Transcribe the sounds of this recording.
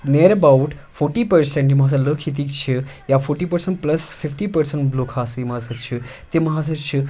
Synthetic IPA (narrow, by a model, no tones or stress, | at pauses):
neɾəbawʈfoɾʈipəɾsẽɳʈim̤as̬aləkʰit̪̬iːkt͡ɕʰijafoɾʈiːpəɾseɳʈ̚pləsfifʈipəɾseɳʈblokʰasimasət͡ʃʰit̪emaɦasət͡ʃʰi